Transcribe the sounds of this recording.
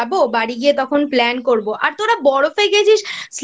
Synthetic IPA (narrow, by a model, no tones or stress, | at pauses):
bobaɽiɡiet̪ɔkʰonplɛnkoɾboʔaɾt̪oɾabɔɽofejɡeet͡ɕʰiʃs